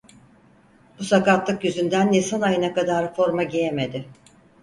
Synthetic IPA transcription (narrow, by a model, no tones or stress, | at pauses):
busakat̪lˠɯkjyzynd̪ænːesanajɯnakad̪aɾfo̞ɾmaɟejeme̞d̪ɪ